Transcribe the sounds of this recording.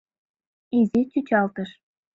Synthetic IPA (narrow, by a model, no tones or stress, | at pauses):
ezʲet͡ɕut͡ɕɑlt̪ə̆ʃ